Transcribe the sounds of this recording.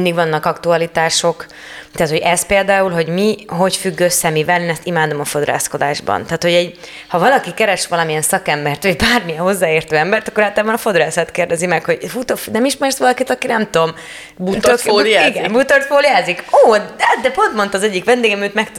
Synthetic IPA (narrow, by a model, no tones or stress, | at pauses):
ind̪iɡʋɒnːɒkɒkt̪uɒlit̪aːʃo̞k | t̪aːt̪ho̞ɟɛspeːld̪aːulɦo̞ɟmiɦo̞cfyɡːøsːɛmivɛleːnɛst̪imaːd̪o̞mɒfo̞d̪ɾa̰ːsko̞d̪a̰ːʒbɒ̰nt̪aːt̪ho̞ɟɛɟ | hɒvɒlɒkikɛɾɛʃʋɒlɒmijɛnsɒkɛmbɛrt̪ʋɒɟbaːrmijɛnɦo̞zːaːeːrt̪øːɛmbɛrt̪ɒkːoɾaːlt̪labɒnɒfo̞d̪ɾaːsɛt̪keːrd̪ɛzimɛkho̞ɟfut̪ofnɛmiʃmɛrsʋɒlɒkit̪ɒkinɛmt̪o̞m | but̪oliɡɛmbut̪ort̪foːljaːzikoːtd̪ɛpo̞nt̪mo̞nt̪ɒzɛɟːikʋɛnd̪eːɡɛmiøːt̪mɛk̚t̪